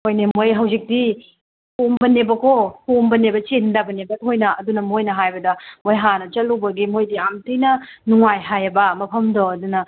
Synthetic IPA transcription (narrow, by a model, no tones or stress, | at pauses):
ojnemojɦɐwzik̚di | hombɐnebɐkʰohombɐnebɐt͡ʃindɐbɐnebɐt̚hojnɐʔɐdunɐmojnɐɦajbɐdɐmojɦanɐt͡ʃɐlːuwbɐɡimojdiamtʰɯjnɐnuŋajɦajɐbɐmɐpʰɐmdoɐdunɐ